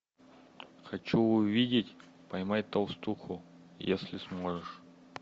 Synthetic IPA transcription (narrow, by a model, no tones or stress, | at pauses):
xɐt͡ɕuʊvʲidʲɪtʲ | pɐjmajʲt̪ɐlˠst̪uxʊ | jesʲlʲɪsmoʐɨʂ